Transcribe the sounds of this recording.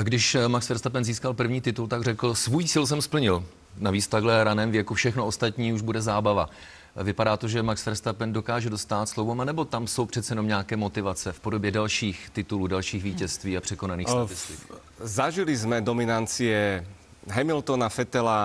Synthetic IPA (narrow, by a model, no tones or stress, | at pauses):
ɡdɪʃmaksfɛɾst̪apɛnziːskalpr̩vɲiːt̪ɪt̪ult̪aɡrɛkl̩svujsɪls̬ɛmspl̩ɲɪl | naviːt͡sft̪aɡɦlɛɾanɛːmvjɛkufʃɛxnoost̪at̪ɲiːuʒbudɛzaːbava | vɪpadaːt̪o̞ʒɛmaksfɛɾst̪apɛndo̞kaːʒɛdost̪aːt̪slowvomanɛbo̞t̪amso̞wpr̝̥ɛt̪t͡sɛjɛno̞mɲakɛːmo̞t̪ɪvat͡sɛfpo̞do̞bjɛdalʃiːxt̪ɪt̪uluːdalʃiːxviːcɛst̪viːapr̥ɛko̞naniːxsavɪsiː | zaʒilizmɛd̪omɪnant͡siɛ | ɦɛmɪlt̪onafɛt̪ɛla